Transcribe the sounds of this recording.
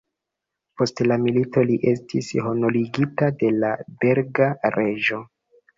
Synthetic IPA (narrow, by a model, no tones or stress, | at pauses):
po̞stlamilito̞liʔe̞stʰisho̞noliɡitade̞labe̞ɾɡaɾe̞ʒo̞